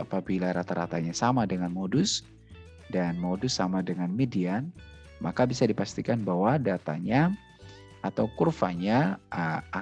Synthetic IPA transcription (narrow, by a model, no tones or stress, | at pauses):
apabilaɾat̪aɾa̰t̪aɲasamadəŋanmodʊs | danmodʊsːamadəŋanmedian | makabisadipast̪ikanbahwadat̪a̰ɲa | at̪awkurfa̰ɲaəa